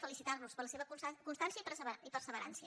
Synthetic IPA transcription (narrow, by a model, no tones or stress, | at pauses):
fəlisit̪arnuspəɾləseβəkkunst̪ansiəipəɾsβipərsəβəɾa̰nsiə